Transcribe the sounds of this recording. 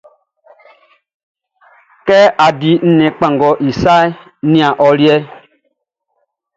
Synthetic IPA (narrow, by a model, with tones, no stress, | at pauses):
kɛ˦a˨di˨n̩˦nɛ̃˨k͡pã˨ŋɡɔ˨˦ʔi˨sa˦ | nĩ˦a˨ʔɔ˦ɾjɛ˦